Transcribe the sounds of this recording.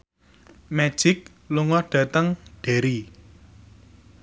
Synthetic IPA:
mɛ̥ʒ̥ɪk̚ | luŋɔɖ̥ä̤t̪əŋɖ̥e̤ɾi

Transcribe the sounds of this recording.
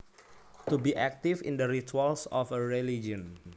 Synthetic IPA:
t̪ubiʔɛk̚t̪ifḭ̃ndəɾit̪ualsɔfəɹelid͡ʒɔ̃n

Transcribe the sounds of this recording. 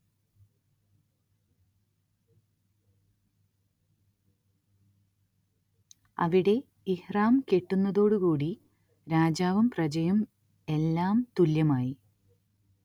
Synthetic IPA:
ɐ̰ʋiɽe̞ | ihraːmke̞ʈːunːɐðo̞ːɽɨkuːɽi | ɾaːd͡ʑaːʋɐmprɐd͡ʑɐjum | e̞lːaːmt̪uljɐmaːji

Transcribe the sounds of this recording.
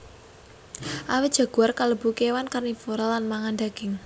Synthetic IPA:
ʔawɪt̪̚ʒ̥a̤ɡ̥ṳarkaləbṳkewankarnifoɾalːanmaŋanɖ̪aɡ̥ɪŋ

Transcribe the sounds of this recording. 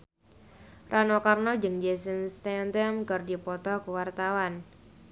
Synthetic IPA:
rʔanokarnɔd͡ʒɨŋd͡ʒesənst̪ɛnd̪əmkərdipɔt̪ɔkuwart̪awan

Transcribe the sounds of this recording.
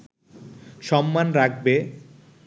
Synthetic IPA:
ʃɔmːanɾak̚ʰbe

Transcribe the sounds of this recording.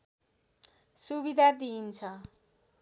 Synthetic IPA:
subid̪ʱad̪int͡sʰʌ

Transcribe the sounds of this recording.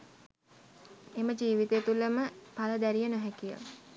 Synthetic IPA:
eməd͡ʒiːʋit̪eːt̪uləməpaləd̪æɾijənoɦækijə̰

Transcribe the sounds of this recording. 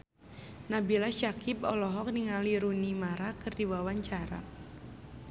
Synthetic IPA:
nabilaʃakʰipɔ̰lɔɦɔk̚niŋaliɾunimaɾakɨrdiwawaɲt͡ʃaɾa̰

